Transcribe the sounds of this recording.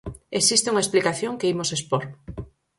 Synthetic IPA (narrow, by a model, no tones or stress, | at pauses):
esist̪euŋaesplikaθjoŋkeimosespoɾ